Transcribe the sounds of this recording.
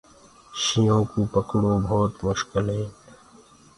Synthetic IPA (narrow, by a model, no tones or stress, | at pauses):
ʃijõːkupəkɽõːbʱɔːt̪mʊʃkəlɦẽː